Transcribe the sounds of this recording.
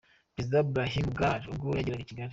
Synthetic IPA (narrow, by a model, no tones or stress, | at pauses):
pɾezidabɾaɦimɡaɾuɡojaɟeɾaɡiciɡaɾi